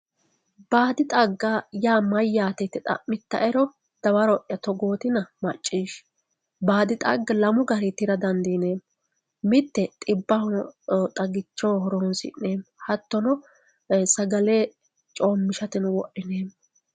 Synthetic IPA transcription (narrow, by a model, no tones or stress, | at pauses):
b̥aːd̪ɪt̪ʼɐɡːajaːmɐjːaːt̪ɛt̪ːɛt̪ʼɐ̰ʔmɪt̪ːɐ̰ʔɛɾɔ | d̪̥ɐwɐɾɔʔjɐt̪ɔɡoːt̪ɪnɐmɐt͡ʃʼːiːʃ | baːd̪ɪt̪ʼɐ̰ɡːɐlɐmʊɡɐɾɪt̪ɪɾɐd̪ɐnd̪ineːm | mɪt̪ːɛt̪ʼɪbːɐhɔnt̪ʼɐɡɪt͡ʃːoːɦɔɾoːnsɪ̰nːeːmhɐt̪ːɔnɔ | sɐɡɐleː | t͡ʃʼoːmːɪʃɐt̪ɪnʊwɔʔːɪneːm